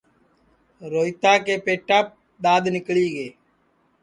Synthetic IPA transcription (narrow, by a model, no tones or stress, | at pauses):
ɾoːit̪aːkeːpeːʈaːp̚ | ɗ̪aːd̪nɪkɭiːɡeː